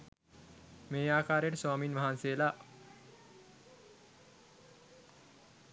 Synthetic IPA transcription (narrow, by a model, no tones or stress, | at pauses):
meːaːkaːɾjeʈəswaːminʋaɦanseːla